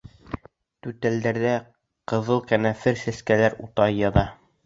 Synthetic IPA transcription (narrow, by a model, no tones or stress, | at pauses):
t̪ʉt̪æld̪æɾðæ | qɤ̆ðɤlˠkænæfɘɾsæskælæɾut̪ɑjjɑðɑ